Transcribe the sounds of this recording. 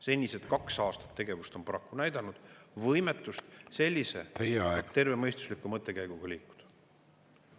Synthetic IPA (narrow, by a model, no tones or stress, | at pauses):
se̞nʲːiset̪kɑksɑːst̪ɑ̥t̪ːe̞ɡe̞vust̪o̞mpɑɾɑkːunæjd̪̥ɑnud̪̥vɤjme̞t̪ːˑust̪se̞lʲːise̞̰t̪ejeɑɛɡ̥t̪e̞rve̞mɤjst̪uslikːˑumɤt̪ˑːe̞kæjɡ̥uɡ̥ɑliːkːu̥d̪̥